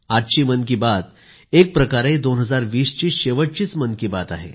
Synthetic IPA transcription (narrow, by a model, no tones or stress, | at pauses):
aʈt͡ɕiːmənkibat̪ | ek̚pɾəkaɾed̪onɦəd͡zaɾʋiːst͡ɕiːɕeʋəʈ̚t͡ɕiːt͡smənkibat̪a̰ɦḛ